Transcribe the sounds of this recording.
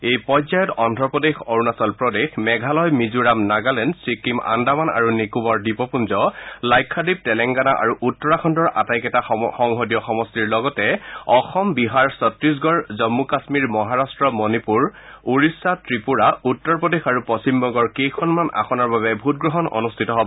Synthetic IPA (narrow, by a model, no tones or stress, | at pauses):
ejpɔzajɔtɔndʱɹɔpɔdexoɹunasɔlpɹɔdexmɛɡʱalɔjmizuɹamnaɡalɛndsɹikima̰ndamana̰ɹunikubɔɹdipɔpunzɔlajkʰːadib̚tɛlɛŋɡanaʔa̰ɹuʔutːɔɹakʰɔndɔɹa̰tajkɛtaxɔŋɦodijɔxɔmɔstiɹlɔɡɔtɛɔxɔmbiɦaɹsɔtɹis̬ɡɔɹzɔmːukasmiɹmɔɦaɹastɹɔmonipuɹuɹisːatɹipuɹautːɔɹpɔdexaɹupɔsimbɔŋɡɔɹkejkʰɔnmanʔa̰xʰɔnaɹbaβɛbʱut̚ɡɹɔɦɔnɔ̰nustʰitɔɦɔbɔ